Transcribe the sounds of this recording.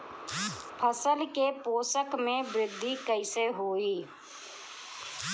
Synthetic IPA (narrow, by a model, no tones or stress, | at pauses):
pʰəsəlkepoːsəkmẽbɾɪd̪ʱːikəɪseɦoːiː